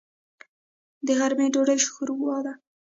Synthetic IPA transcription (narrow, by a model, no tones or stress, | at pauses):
d̪əɣaɾmeɖoɖəjʃxuɾɡwɑd̪a